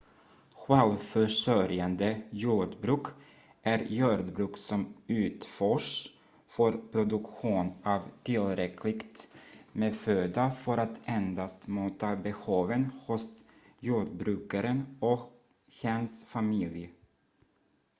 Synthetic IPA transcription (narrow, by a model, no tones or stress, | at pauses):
ɧɛlfœʂœɾjand̪əjuːɖbɾʉ̟ːk | ʔæɾjuːd̪bɾʉ̟ːksɔmʉ̟ːt̪fœʂ | fœɾpʰɾʊd̪ɵkɧuːnɑvt̪ʰɪlɾɛkʰlɪɡt̪meføːd̪afœɾat̪ʰɛnd̪ast̪muːt̪abɛhuːvənhʊs | juːɖbɾʉ̟ːkaɾənɔk | hɛnsfamɪlj